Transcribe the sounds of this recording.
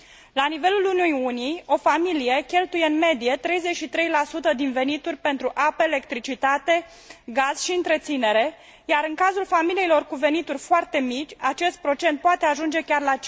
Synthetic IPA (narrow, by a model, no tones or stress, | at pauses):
lanive̞lulunujunio̞familije̞kʲe̞lt̪ujeɨnme̞d̪ije̞t̪ɾe̞jze̞t͡ʃʃit̪ɾejlasut̪əd̪inve̞nit̪urʲpe̞nt̪ɾuʔapəele̞k̚t̪ɾit͡ʃit̪at̪e̞ | ɡaz̥ʃiɨnt̪ɾe̞t̪sine̞ɾe̞ | jaɾɨŋkazulfamilijilo̞rkuve̞nit̪urʲfoart̪e̞mit͡ʃʲat͡ʃe̞st̪̚pɾo̞t͡ʃe̞nt̪̚poat̪e̞aʒund͡ʒe̞kʲarla